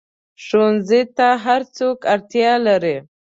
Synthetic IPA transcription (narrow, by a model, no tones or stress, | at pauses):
ʂonzit̪aɦaɾt͡sokaɾt̪jɑlaɾi